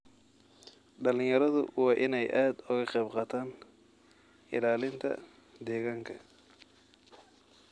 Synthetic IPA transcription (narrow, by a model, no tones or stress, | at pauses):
ɖɐlɪ̃jɐɾɐðʊ̰wɑːʔɪnɛjʔaːd̪ʊɣɐqɛjbqɑːt̪ʰaːn | ɪ̰laːlɪnt̪ʰɐ̰ | d̪ɛːɣaːŋkʰɐ̰